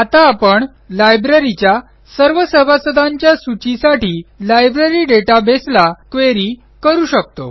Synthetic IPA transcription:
at̪aːpəɳ | lajbɾeɾit͡ɕja | səɾʋəsəbʱasəd̪ʱãɲt͡ɕjasut͡ɕisaʈʰiːlajbɾeɾiɖeʈabeslakʋeɾiː | kəɾuːɕək̚t̪o̰

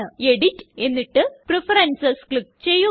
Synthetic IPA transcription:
ɨeɽitːe̞nːiʈːɨprefɐɾɐnsɐskɭik̚t͡ɕejːu

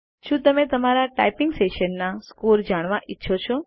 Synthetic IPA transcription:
ʃũt̪əmet̪əmaɾaʈa̰ipɪŋɡseʃənːaskuld͡ʒaɽ̃ʋãʔitːʃʰot͡ʃʰo

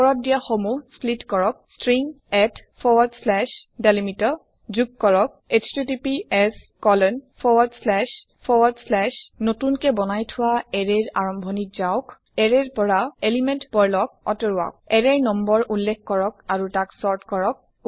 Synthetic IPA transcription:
pɔɹɔt̚dijaxomusplitkɔɹɔk̚stɹiŋ | ɛtpʰɔwɔdslɛʃdalimitɔ | zuk̚kɔɹɔk̚estitipiɛs | kɔlɔnpʰɔwɔdslɛʃ | pʰɔwadslɛʃnotunkɛbɔnajtʰʊwaɛɹeɹaɹɔmbʱɔnit̚zaɔk | ɛɹɛɹpɔɹaelimɛntpɔɹlɔk̚ɔ̰tɔɹwa̰k̚ɛɹɛɹnɔmbɔɹʔulːɛkʰkːɔɹɔkaɹutaksɔɹtkɔɹɔk̚

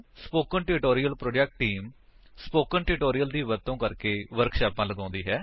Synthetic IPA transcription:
spoːkənʈɪɾʈoːɾiːəlpɾoːd͡ʒɛk̚ʈːiːmspoːkənʈɪɾʈoːɾijəld̪iːʋət̪õːkəɾkeːʋəɾkʃaːpãːləɡãːnd̪iːɦɛː

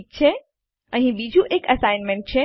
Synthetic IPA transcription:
k̚t͡ɕʰe | ə̃ĩbid͡ʑʱuʔekɐsaɪnmẽɳʈ̚t͡ɕʰe

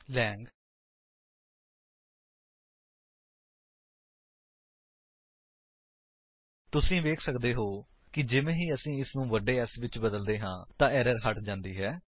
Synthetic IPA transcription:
lɛːŋɡ | t̪ʊsĩːʋeːkʰsəkd̪eːɦoː | kɪd͡ʒɪʋẽːɦiːəsĩːɪsnũːʋəɖeːɛsʋɪt͡ʃbəd̪əld̪eːɦãːt̪ãːɛːɾəɾɦəʈd͡ʒãːnd̪iːɦɛː

